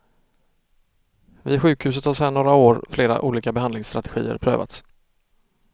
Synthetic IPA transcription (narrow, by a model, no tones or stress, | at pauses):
vɪɧʉ̟ːkhʉ̟ːs̬ət̪haʂæːɳoːɾaoːɾfleːɾa̰ʔuːliːkabɛhand̪lɪŋst̪ɾat̪ɛ̥ɧḭːə̰ɾpʰɾø̰ːva̰t̪s